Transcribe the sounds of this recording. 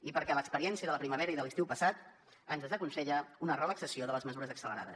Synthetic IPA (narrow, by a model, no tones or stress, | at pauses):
ipəɾkɛləkspəɾiɛnsiəðələpɾiməβ̞ɛɾəiðəlist̪iwpəsat̪ | ənzðəzəkunsɛʎəunərələksəsioðələzməzuɾəzəksələɾa̰ðə̰s